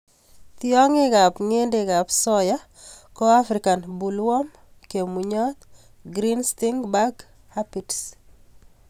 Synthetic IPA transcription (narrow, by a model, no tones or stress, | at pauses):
t̪jɔŋɪɡapŋendɪɡapsɔja | kɔafɾikanbulwɔm | kemuɲɔt̪̚ | ɡɾinst̪iŋbaɡ | hapits